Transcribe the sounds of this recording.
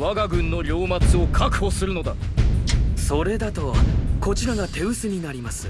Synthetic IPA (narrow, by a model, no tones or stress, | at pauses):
βaɡaɡɯ̟̃nːo̞ɾʲo̞ːmat͡sɨo̞kʰakɯ̟̥ho̞sɨɾɯ̟no̞d̪a | so̞ɾe̞d̪at̪o̞ko̞t͡ɕiɾaɡat̪e̞ɯ̟sɨɲ̟inaɾʲimasɨ̥